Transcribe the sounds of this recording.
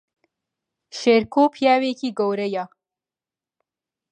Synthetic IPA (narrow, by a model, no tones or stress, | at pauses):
ʃeɾkopʰjɑːwekiɡowɾɐja